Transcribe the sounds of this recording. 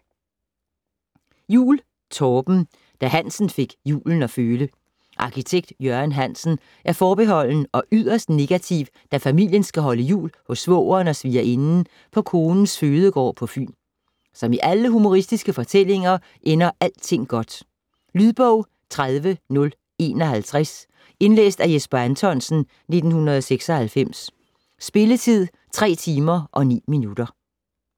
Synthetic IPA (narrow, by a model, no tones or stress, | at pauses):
jṵːl | t͡sʰɒːb̥m̩ | d̥æɦæn̰sn̩fe̝ɡ̥jṵːln̩ɒ̽føːlə | ʔɑ̈kʰit͡sʰeɡ̥̚d̥jøɐnɦæn̰sn̩ | ʔæɐfɒːb̥e̝ɦɒ̽l̰nəɒ̽ʔyð̰ˠɐsd̥ne̝ɡ̥æt͡sʰiʊ | d̥æfæmil̰jənsɡ̥æɦɒ̽ləjṵːlhɔ̽sːʋɔ̰ːɐːnɒ̽sʋiːɐʔe̝nn̩ | pʰɒ̽kʰo̝ːnn̩sføːð̞ˠəɡ̥ɒ̰ːpʰɒ̽fy̰ːn | sɒ̽miʔæləɦumo̝ʁisd̥isɡ̥əfɒ̽t͡sʰel̰e̝ŋɐ | ʔenɐʔæl̰d̥t͡sʰe̝ŋ̰ɡ̥ɒ̽d̥ | lyð̞ˠb̥ɔʊ̰ | t͡sʰʁaðˠʋənɔ̽l | e̝ːnɒ̽hælt͡sʰʁas | e̝nlḛːsd̥æjesb̥ɐænt͡sʰɒnsn̩ | ne̝d̥n̩hunɐðˠɒseɡ̥sɒ̽hælfem̰sː | b̥e̝lət͡sʰið̞̰ˠ | t͡sʰʁɛ̰ːt͡sʰiːmɐʔɒ̽nḭːminud̥ɐ